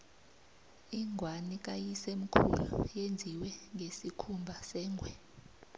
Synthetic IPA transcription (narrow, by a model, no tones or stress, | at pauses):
iŋʱwanik̬ʼajisem̩kʰṵlṵjend͡zʱiwɛŋɡʱesikʰumbʱasɛːŋʱwɛ